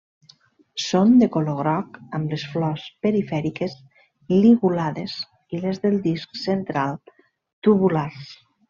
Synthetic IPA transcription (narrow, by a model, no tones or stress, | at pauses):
sond̪ekoloɣɾɔkəmlesflɔspeɾifɛɾikez | liɣulaðez | ilezðelˠd̪isksent̪ɾalˠ | t̪uβulas